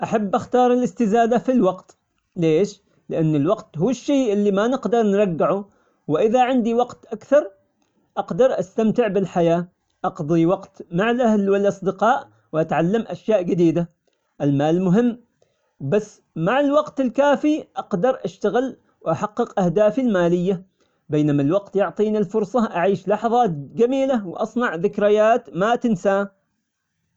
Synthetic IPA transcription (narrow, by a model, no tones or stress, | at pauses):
ʔaħabːʔaxt̪ɑːɾˤɪlʔɪst̪ɪzaːd̪afilwɑqt̪ | leːʃ | lɪʔanːɪlwɑqt̪huːɪʃːeːʔɪlːimanɪqd̪ɑɾˤnɾˤɑɡːɪʕu | wɪʔɪðaʕɪnd̪iwɑqt̪ʔakθɑɾˤ | ʔɑqd̪ɑɾˤʔast̪amt̪ɪʕbɪlħajaː | ʔɑqd̪ˤiwɑqt̪maʕɪlʔahlwɪlʔɑsˤd̪ɪqɑːʔ | wʔat̪ʕalːamʔaʃjaːʔd͡ʒɪd̪iːd̪a | ʔɪlmaːlmʊɦɪmː | basː | maʕɪlwɑqt̪ɪlkaːfiʔɑqd̪ɑɾˤʔaʃt̪aɣɪl | wʔaħɑqːɨqʔahd̪aːfilmaːlɪjːa | beːnamalwɑqt̪jʊʕt̪ˤiːnilfʊɾˤsˤɑʔaʕiːʃlɑħɑðˤɑːt̪d͡ʒamiːlawʔɑsˤnɑʕðɪkɾɪjaːt̪mat̪ɪnsaː